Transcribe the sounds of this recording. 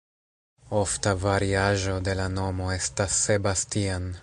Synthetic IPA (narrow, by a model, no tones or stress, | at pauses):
o̞ftavaɾiaʒo̞de̞lano̞mo̞e̞stasːe̞bastian